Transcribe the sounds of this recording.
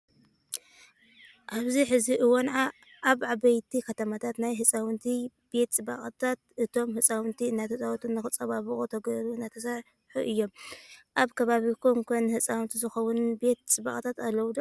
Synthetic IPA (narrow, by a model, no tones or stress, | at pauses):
ʔaβziħɨziʔɨwonʕa | ʔaβʔaβɐjt̪ʰikʰɐt̪ʰɐmat̪ʰat̪najɦɨt͡sʼawnt̪ʰibe̞t̪t͡sʼɨba̰χʼɨt̪ʰat̪̚ɨt̪ʰo̞mhɨt͡sʼawɨnt̪ʰiɨnːat̪ʰɐsʼawt̪ʰunːɨxɨt͡sʼɐβaβɨkʼut̪ʰɐɡɾuɨnːat̪ʰɐsaʕ | ħuʔɨjːo̞mʔaβkʰɐβaβikʰoŋkʰonhɨt͡sʼawnt̪ʰizɨxɐwunbe̞t̪̚t͡sʼɨba̰kʼt̪ʰat̪alːɐwd̪o